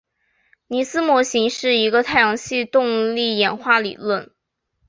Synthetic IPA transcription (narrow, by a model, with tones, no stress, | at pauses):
ni˨˩sɹ̩˥mwɔ˧˥ɕi˧˥ŋʂɻ̩˥˩i˧˥ɡə˧t̪ʰa˥˩ɪjɑ˧˥ŋɕi˥˧t̪ʊ˥˧ŋli˥˩jɛ˨˩nxwa˥˩lḭ˨˩lwə˥˩n